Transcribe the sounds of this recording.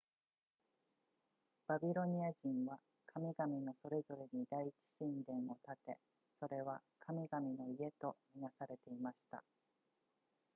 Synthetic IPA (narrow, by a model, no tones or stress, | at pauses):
b̥abʲiɾo̞ɲ̟iaʑĩɰ̃βa | kʰamʲiɡamʲino̞so̞ɾe̞zo̞ɾe̞ɲ̟id̪ait͡ɕi̥ɕĩnd̪ẽ̞ɰ̃o̞t̪at̪e̞̰ | so̞ɾe̞βakʰamʲiɡamʲino̞ie̞t̪o̞mʲinasaɾe̞t̪e̞imaɕi̥t̪a̰